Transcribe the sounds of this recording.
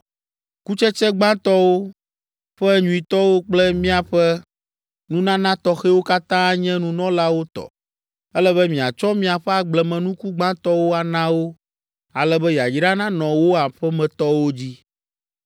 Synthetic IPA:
ku˦t͡ʃɛ˦t͡ʃɛ˦ɡ͡bã˦t̪ɔ˦wo˦ | ɸɛ˦ɲũ˨i˨t̪ɔ˦wo˦k͡plɛ˦mĩ˦a˨ɸɛ˦ | nũ˦nã˦nã˦t̪ɔ˨xɛ˦wo˦ka˦t̪ã˦ɲɛ̃˦nũ˦nɔ̃˦la˦wo˦t̪ɔ̰˨ | ɛ˦lɛ˦βɛ˦mĩ˨a˨t͡ʃɔ˦mĩ˦a˨ɸɛ˦a˨ɡ͡blɛ˨mɛ̃˨nũ˦ku˦ɡ͡bã˦t̪ɔ˦wo˦a˨nã˦wo˦ | a˨lɛ˦bɛ˦ja˨d͡ʑi˦ɖa˦nã˦nɔ̃˨wo˦a˨ɸɛ˦mɛ̃˨t̪ɔ˦wo˦d͡ʑi˦

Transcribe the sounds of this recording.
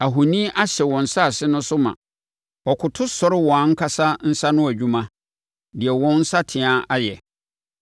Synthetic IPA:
a˨ɦʊ˨nĩ˦ʔa˦ɕɛ˨wɔ̃˨n̩˨˦sa˦˨sɪ˦nʊ̃˦sʊ˦mã̰˨ | ɔ˨kʰʊ˨tʰʊ˦sɔ˨ɾɪ˦wɔ̃˨ã˨˦ŋ̩˦kʰa˨˦sa˦n̩˦sa˦nʊ̃˦æ˨d͡ʑᶣũ˦mã˦ | dɪ˨ɛ˨wɔ̃˦n̩˦sa˦tʰɪ̃˨ã˦a˦jɛ˨

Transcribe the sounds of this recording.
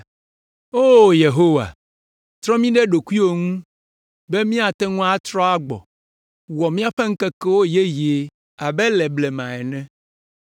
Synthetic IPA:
o˦je˨ɦo˦wa̰˨ | t̪ɾɔ̃˦mĩ˦ɖɛ˦ɖo˨ku˦i˦wo˨ŋũ˦ | be˦mĩ˦a˨t̪ɛ˦ŋũ˦a˦t̪ɾɔ̃˦a˦ɡ͡bɔ̰˨ | wɔ˨mĩ˦a˦ɸɛ˦ŋ̩˦kɛ˦kɛ˦wo˦je˦je˨ | a˨bɛ˦lɛ˨blɛ˨mã̰˨ɛ˨nɛ̃˦

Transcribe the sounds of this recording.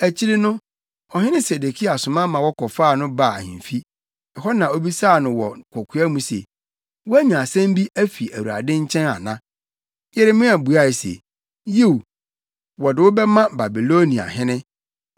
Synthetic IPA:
æ˨t͡ɕʰi˦ɾɪ˦nʊ̃˦ | ɔ˨ɦɪ̃˦nɪ̃˦se˨de˨kʰi˦a˨sʊ̃˨mã˦mã˨wɔ˦kʰɔ˨faː˦˨nʊ̃˦ba̰˦˨hɪ̰̃˨fi˦ | ɛ˨ɦɔ˦nã˨o˦bi˦saː˦˨nʊ̃˨wɔ̰˨kʰɔ˨kʰu˨˦a˦mũ˨sḛ˨ | wʊ˦æ˦ɲãː˨sɛ̃˦m˦bi˦ʔæ˦fi˨æ˨wu˨ɾa̰˨dɪ̃˦ɲ̩˦t͡ɕʰɛ̃˦na̰˨nã̰˦ | jɛ˦ɾɪ˦mɪ̃˦æ˨bu˨a˦˨ɪ˨sḛ˨ | je˦w | wɔ˨dɪ˨wʊ˦bɛ˦mã˦ba˨bi˨lo˦nĩ˨a̰˨ɦɪ̃˦nɪ̃˦

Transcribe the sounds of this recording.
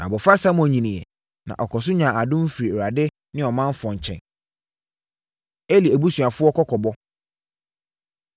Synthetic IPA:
nã̰˨bɔ˨fa˦sa˦mɔ̃˨ɲĩ˨nĩ˨ɛ̰˨ | nã̰˨ʔɔ˨kʰɔ˨s̬ʊ˦ɲã˨a˨dʊ̃˦m̩˦fi˨ɾi˨ɾa˨dɪ˦ | nɪ̃˦ɔ˨mã˦m˦fɔ̃˨ɲ˨t͡ɕʰɛ̰̃˨n | e˦li˨æ˨bu˦sɥa˨fʊ˦ɔ˦kʰɔ˦kʰɔ˨bɔ˦

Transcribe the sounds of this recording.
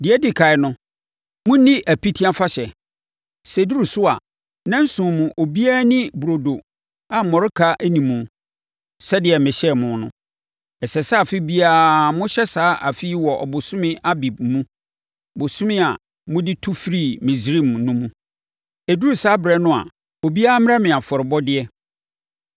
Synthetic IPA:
dɪ˨ɛ˦dɪ˦˨kʰa˨ɪ˨˦nʊ̃˦ | mʊ̃˦nĩ˦ʔæ˨pʰi˦tʰi˦a˦fa˦ɕɛ˨ | sɛ˨du˦ɾu˨sʊ˦a̰˨ | nã˦n̩˦sʊ̃˨mũ˨ʔo˨bi˦a˦nĩ˦bɾo˨do˨ | a˨m̩˨mɔ̃˨ɾɪ˦kʰa˦ʔæ˦nĩ˨mũ˨ | sɛ˦dɪ˨ɛ˨mɪ̃˨ɕɛ˦˨mʊ̃˦˨˦nʊ̃˦ | ɛ˨sɛ˨sa˦˨fɪ˦bi˦a˦˨mʊ̃˦ɕɛ˦saː˨˦ʔa˨fi˦i˦wɔ˨ʔɔ̰˨bʊ˨sʊ̃˦mɪ̃˦a˦bi˨b̚mũ˦ | bʊ˨sʊ̃˦mɪ̃˦a˨ | mʊ̃˦dɪ˦tʰu˦fɾi˦˨mĩ˨zɾĩ˦˨mnʊ̃˦mũ˦ | æ˨du˦ɾu˨saː˦bɾɛ˦nʊ̃˦a̰˨ | o˨bi˦a˦m˦ɾɛ̃˦mɪ̃˨a˨fɔ˨ɾɪ˨bɔ˦dɪ˦ɛ˦

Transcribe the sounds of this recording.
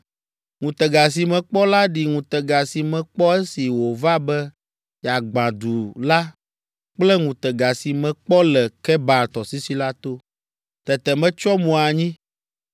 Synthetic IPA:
ŋũ˨t̪ɛ˨ɡa˨s̬i˨mɛ̃˨k͡pɔ˦la˦ɖi˨ŋũ˨t̪ɛ˨ɡa˨si˨mɛ̃˨k͡pɔ˦ɛ˦si˨wo˨va˦bɛ˦ | ja˨ɡ͡bã˨d̪u˨la˦ | k͡plɛ˦ŋũ˨t̪ɛ˨ɡa˨si˨mɛ̃˨k͡pɔ˦lɛ˨kɛ˦ba˨t̪ɔ˨si˦si˦la˦t̪o˦ | t̪ɛ˨t̪ɛ˨mɛ̃˦t͡ʃɔ˦mũ˨a˨ɲĩ˦

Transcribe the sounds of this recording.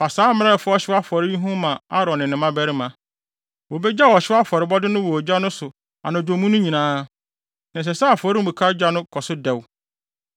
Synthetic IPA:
fa˨saː˨˦mɪ̃˦a˦ɪ˨fʊ˦ɔ˦ɕɪ˦wa˦fɔ˨ɾɪ˦ɲĩ˦ɦũ˦mã˨a˦ɾɔ̃˨nːɪ̃˨nɪ̃˨˦mã˦bɛ˦ɾɪ˦mã˨ | wo˨bɛ˦d͡ʑa˦˨wɔ˨ɕɪ˦a˦fɔ˨ɾɪ˨˦bɔ˦dɪ˦nʊ̃˦wɔ˨d͡ʑᶣa˦nʊ̃˦sʊ˨ | a̰˨nã˨d͡ʑõ˨mũ˦nʊ̃˦ɲĩ˨nãː˦ | nã˨s̬ɛ˨sa˦a˨fɔ˨˦ɾɪ˦˨bu˨kʰa˦d͡ʑᶣa˦nʊ̃˦kʰɔ˨sʊ˦dɛ˨w

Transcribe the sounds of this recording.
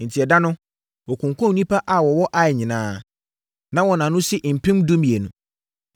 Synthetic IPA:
n̩˨tʰi˨ɛ˨da˦nʊ̃˦ | wɔ˨kʰʊ̃˨ŋkʰɔ̃˦˨nĩ˦pʰa˦ʔa˨wɔ˨wɔ˦ʔa˨ɲĩ˨nãː˦ | nã˦wɔ˨nã˨nʊ̃˦sɪ˦ʔm̩˨pʰĩ˦mdũ˦mĩ˨e˨nũ˨

